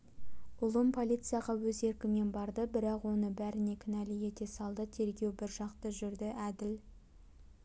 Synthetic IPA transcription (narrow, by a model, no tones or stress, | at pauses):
ʊlˠəmpʰo̞lʲit̪sɨjaʁɑwɵze̞ɾkʲɪme̞nbɑɾd̪əbɪɾɑqwo̞nəbæɾɪne̞kʲʰɪnælɪje̞t̪e̞sɑlˠd̪ət̪ʰe̞ɾɡʲe̞wbɪɾʒɑqt̪əʒʏɾd̪ɪʔæd̪ɪl